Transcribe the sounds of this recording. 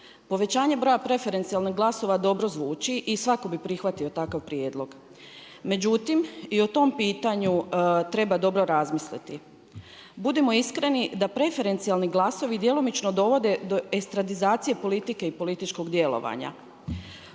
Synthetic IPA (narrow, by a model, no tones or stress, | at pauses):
po̞ʋe̞t͡ɕaːɲe̞bɾo̞japɾe̞fe̞ɾe̞nt̪sialniɦɡlˠaso̞ʋad̪o̞bɾo̞zʋuːt͡ʃiʔisʋako̞bipɾixʋat̪io̞t̪akaʋpɾjeːd̪lˠo̞ɡ̥ | me̞d͡ʑut̪imiot̪o̞mpiːt̪aɲut̪ɾe̞bad̪o̞bɾo̞ɾazmislḭt̪i | bud̪emo̞iskɾe̞nid̪apɾe̞fe̞ɾe̞nt̪sialniɡlˠaso̞ʋid̪je̞lˠomit͡ʃnod̪o̞ʋo̞d̪e̞d̪o̞ekst̪ɾad̪izaːt̪sije̞po̞lit̪ike̞ipo̞lit̪it͡ʃko̞ɡd̪je̞lo̞̰ʋa̰ɲa̰